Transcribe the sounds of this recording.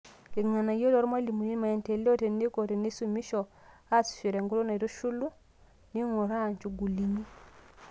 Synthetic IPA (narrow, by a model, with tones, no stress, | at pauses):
ke˨ŋa˨na˨jo˦lɔ˦ɾma˦li˨mu˨ni˦ma˨ɛ˨ntɛ˨lɔ˦te˨ne˦ko˨te˨ne˦su˨mi˦ʃɔ˨ | a˦su̥˨ʃe˨ɾɛ˨ŋɡu˦lɔ˦na˨ɾo˦ʃu˦lu˦ | ni˦ŋo˨ɾa˦˨ɲt͡ʃu˨ɡu˨li˨ni˦